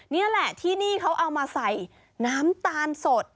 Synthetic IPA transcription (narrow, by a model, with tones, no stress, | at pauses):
ni˦˥˩ɐlɛ˨˩t̪ʰiː˥˩niː˥˩kʰa˦˥wʔa˧wmaː˧sa˨˩j | naː˦˥mt̪aː˧nso˨˩t̪̚